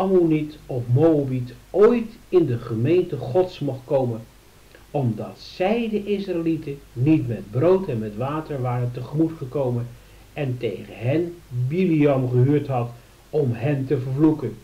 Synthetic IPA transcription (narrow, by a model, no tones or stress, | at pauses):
ɑmunitɔfmoəbitojtɪndəχəmejntəχɔtsmɔχtkowmən | ɔmdɑtsɛjdəʔɪsraɪlitənitmɛd̚browtɛnmɛtʋaːtəɹʋaːrəntəχəmutχəkowmən | ɛntejχəɦɛnbiliɑmχəɦyːɹtɦɑt | ɔmɦɛntəvəɹvlukən